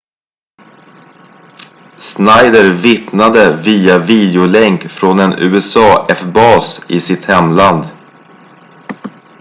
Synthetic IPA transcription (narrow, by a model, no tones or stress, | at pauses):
snajd̪əɾvɪt̪nad̪əviːaviːd̪ɪʊlɛŋkfɾonɛnʉ̟ːɛsɑːʔɛfbɑːsɪsɪt̪hɛmland̪